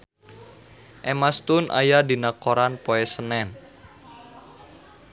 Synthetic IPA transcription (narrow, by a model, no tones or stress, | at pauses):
ʔɛmast̪unʔa̰jadinakoɾanpoɛsənɛn